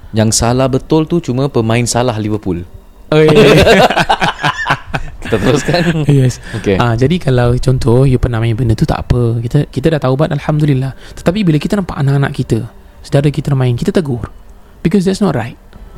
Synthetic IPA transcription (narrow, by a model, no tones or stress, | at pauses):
d͡ʒaŋsalahbət̪ʊlt̪ut͡ʃumə̃pəmãɪnsalahlivəpul | o | ki̥t̪ət̪əɾʊskanjɛsokead͡ʒadikalawt͡ʃɔnt̪ɔhjupənamaɪnbənət̪ut̪a̰ʔa̰pəkit̪əkit̪ədat̪aubat̪alhamd̪ulilːaht̪ə̥t̪apibiləkit̪ənampaʔanaʔana̰ʔkit̪ə | sədaɾəkit̪ərmãɪnkit̪ət̪əɡʊr | b̥ikɔs̬d̪ɛtsnɔʔrajt̚